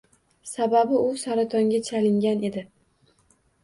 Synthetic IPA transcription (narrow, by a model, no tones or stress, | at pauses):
sababɪʊsaɾat̪ʰɒŋɡʲat͡ʃʰalɪŋɡʲane̞d̪ɪ